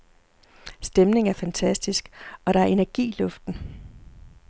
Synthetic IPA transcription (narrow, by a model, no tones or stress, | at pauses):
sd̥emne̝ŋæɐfænt͡sʰæsd̥isɡ̥ɒ̽ɾ̥ɑ̈æɐe̝næɐɡ̥ḭːlɔ̽fd̥n̩